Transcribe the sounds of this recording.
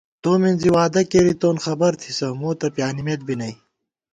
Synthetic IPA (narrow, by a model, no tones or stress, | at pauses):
t̪oːmenziwaːd̪ɐkeːɾit̪oːnxɐbɐɾt̪ʰisɐmoːt̪ɐpjaːnimet̪̚binɐj